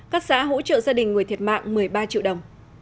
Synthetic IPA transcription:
kaː˦˥k̚sa̰ː˧˥ɦo̰˧˥t͡ɕə̰ː˧˨zaː˧ɗï˨˩ŋ̟ŋ˨˩ət̪ʰt̚ma̰ː˧˨ŋmɨ˨˩əjɓaː˧t͡ɕḭ˧˨wɗə˨˩wŋ͡m

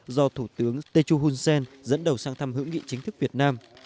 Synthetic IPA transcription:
zɔ˧t̪ʰu˧˩t̪ɨ˨˦əŋt̪e˧t͡ɕu˧ɦu˧nsɛ˧nzə̰˧˥nɗə˨˩wsaː˧ŋt̪ʰa˧mɦɨ̰˧˥ŋḭ˧˨t͡ɕï˨˦ŋ̟t̪ʰɨ˦˥k̚vi˨˩ət̚naː˧m

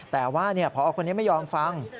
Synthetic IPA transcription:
t̪ɛː˨˩waː˥˩ni˥˩ɐpʰɔː˦ʔa˧wkʰo˧ni˦˥˩ma˥˩jɔː˧mfa˧ŋ

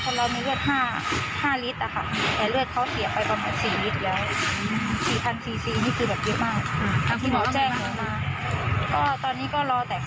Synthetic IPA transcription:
kʰɔ˧˩ɾa˧wmiː˧ɾɯ˥˩ət̪̚haː˥˩haː˥˩li˦˥t̪̚ʔa˨˩kʰa˥˩t̪ɛː˨˩lɯ˥˩ət̪̚kʰa˦˥wsi˨˩˦pa˧jpa˧˩maː˧nsiː˨˩li˦˥t̪̚lɛː˦˥w | siː˨˩pʰa˧nsiː˨˩siː˧niː˥˩kʰɯː˧bɛː˨˩p̚jɤ˦˥ʔmaː˥˩k̚kʰa˧˩t̪ʰiː˥˩a˧wt͡ɕɛː˥˩ŋ˨a˨˧maː˧kɔː˥˩t̪ɔː˧nːiː˦˥kɔː˥˩ɾɔː˧t̪ɛː˨˩

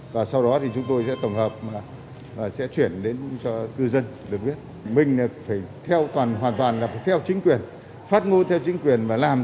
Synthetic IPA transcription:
vaː˨˩sa˧wɗɔ˨˦t̪ʰi˨˩t͡ɕʊ˨˦ŋ͡mt̪o˧jsɛ̰˧˥t̪ə˧˩wŋ͡mhəː˨˩p̚maː˨˩ | vaː˨˩sɛ̰˧˥t͡ɕwi˧˩ənɗe˨˦nt͡ɕɔ˧kɨ˧zə˧nɗɨ˨˩ək̚vi˦˥ət̚ | mï˨˩ŋ̟a˨˩faː˧˩jt̪ʰɛ˧wt̪waː˨˩nɦwaː˨˩nt̪waː˨˩nlaː˨˩faː˧˩jt̪ʰɛ˧wt͡ɕï˨˦ŋ̟kwi˨˩ən | faː˦˥t̚ŋo˧nt̪ʰɛ˧wt͡ɕï˨˦ŋ̟kwi˨˩ənvaː˨˩laː˨˩m

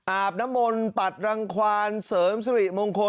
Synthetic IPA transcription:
ʔaː˨˩p̚na˦˥mːo˧npa˨˩t̪̚ɾa˧ŋkʰwaː˧nsɤː˩˦msa˧ɾi˨˩ʔ̚moː˧ŋkʰo˧

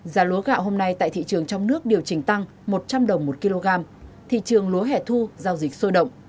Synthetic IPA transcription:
zaː˨˦lu˨˦ɣa̰ː˧˨wɦo˧mna˧jt̪a̰ː˧˨t̪ḭ˧˨t͡ɕɨ˨˩əŋt͡ɕɔ˧wŋ͡mnɨ˦˥ək̚ɗi˨˩əwt͡ɕï˨˩ŋ̟t̪a˧ŋ | mo˨˩t̚t͡ɕa˧mɗə˨˩wŋ͡mmo˨˩t̚ki˧lo˧ɣaː˧m | t̪ʰḭ˧˨t͡ɕɨ˨˩əŋlu˨˦ɦɛ˨˧˩t̪ʰu˧zaː˧wzï˨˩k̟̚so˧jɗə̰˧˨wŋ͡mʔ

